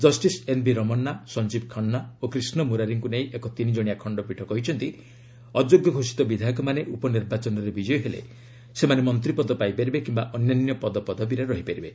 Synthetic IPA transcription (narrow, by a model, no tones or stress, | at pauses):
d͡ʒɔsʈisenbiɾɔmɔnːasɔnd͡ʒib̚kʰɔɳːaokɾisnɔmuɾaɾiŋkuneĩʔekɔt̪inid͡ʒɔɽ̃ijakʰɔɳɖɔpiʈʰɔkɔɦit͡ʃʰɔnt̪i | ɔd͡ʒoɡjɔɡʱosi̥t̪ɔbid̪ʱakɔmaneʔupɔniɾbat͡ʃɔnɔɾebid͡ʒɔjɔɦelḛ | semanemɔnt̪ɾipɔd̪ɔpajpaɾibekimbaʔɔnjanjɔpɔd̪ɔpɔd̪ʱɔbiɾeɾɔɦipaɾibe